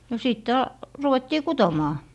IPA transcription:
no siˑtːe ɑ ruʋetːiː kutomɑː

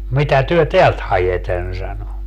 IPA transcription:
mitæ tyø teælt hɑjeten sɑno

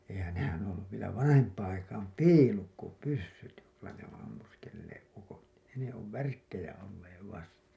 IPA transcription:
eihæn nehæn õː olːuʋ ʋielæ ʋɑnɑhempˑɑːɑ̃ ɑikɑːm piːlukːopysːyt joilːɑ ne õː ɑmːuskelːeːʔ ʔukot ne ne oʋ ʋærkːejæ olːeːʋ ʋɑstɑ

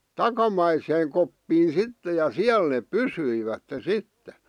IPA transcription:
tɑkɑmɑiseːŋ kopːiːn̞ sitːe jɑ siæl neːp̆ pysyiʋætːe sitːe

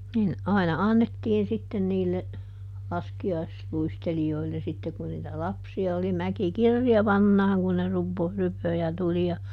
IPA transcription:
nin ɑinɑ ɑnːetːiːn sitːen niːlːe lɑskiɑisluistelioilːe sitːe kun niːtæ lɑpsiɑ oli mæki kirjɑʋɑnːɑːŋ kun ne rupo rypø jɑ tuli jɑ

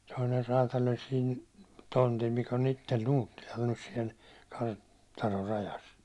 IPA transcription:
toiner rɑːtɑl olʲ siːn tontil mikæ̆ on itːel nuːtːilɑl nys siɛl kɑr tɑnor rɑjɑs

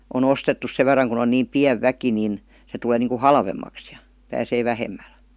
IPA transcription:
on ostetːus seʋ ʋerˑɑŋ kun on niːm piæʋ ʋæki nin se tul̆eː niːŋku hɑlʋemːɑks j̊ɑ̥ pæːseː ʋæhemːæl

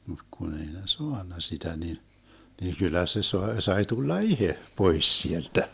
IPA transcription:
mut kun ei ne soɑnːɑ sitæ ni ni kylːæ se soe sɑi tulːɑ ihe pois sieltæ

